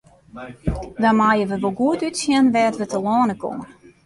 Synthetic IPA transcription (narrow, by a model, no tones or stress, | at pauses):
danmaːjəʋəʋolˠɡuətytsjɛnʋɛːtʋətəlɔːnəko̰mən